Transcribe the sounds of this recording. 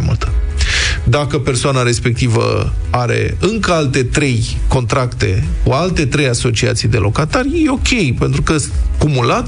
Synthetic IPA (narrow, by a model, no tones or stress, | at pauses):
mṵlt̪ə̥ | d̪akəpe̞rsoanaɾe̞spe̞k̚t̪ivə̰ | aɾe̞̰ɨŋkəalt̪e̞t̪ɾe̞j | ko̞nt̪ɾakt̪e̞̰kualt̪e̞t̪ɾejaso̞t͡ʃia̰t̪sijd̪e̞lʔo̞kat̪arjejeo̞kʲe̞jpe̞nt̪ɾukəskumulat̪